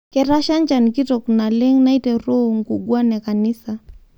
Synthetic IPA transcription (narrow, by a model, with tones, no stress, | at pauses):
kɛ˨ɾa˦ʃa˦nt͡ʃaniki˦tɔkuna˨lɛ˦ŋna˦itɛ˨ɾɔ˦ŋ̩˨ku˨ɡwa˦nɛ˨ka˨ni˦sa˨